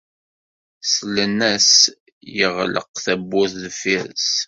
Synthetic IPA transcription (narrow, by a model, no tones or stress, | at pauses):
slənːæs | jəʁlə̰qθæbːʊθðfiɾs